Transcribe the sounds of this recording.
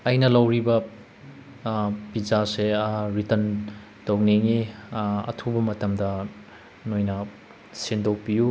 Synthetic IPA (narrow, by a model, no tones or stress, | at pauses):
ɐjnɐlɐwɾibɐ | pizaseɾitɐn | towneŋiɐ̰tʰubɐmɐtɐmdɐ | nojnɐ | sindowpiju